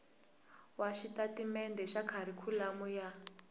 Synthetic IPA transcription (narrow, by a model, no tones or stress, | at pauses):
waʃitatimɛndɛʃakʰaɾikʰulamuja